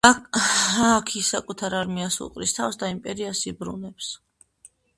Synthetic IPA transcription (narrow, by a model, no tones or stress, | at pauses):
akʰisakʼut̪ʰaɾaɾmiasṵqʼɾist̪ʰafsd̪aimpʼɛɾiasibɾṵnɛps